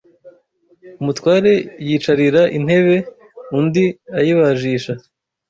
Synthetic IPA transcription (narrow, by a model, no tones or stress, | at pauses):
umutwaːɾe̞jiːt͡ʃaɾiɾaʔin̥he̞βe̞ | undiajiβaʒiːʃa